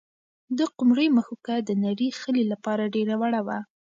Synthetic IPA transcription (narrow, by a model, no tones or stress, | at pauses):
d̪əqʊmɾəjməxukad̪ənaɽixəlelapɑɾaɖeɾawaɽawa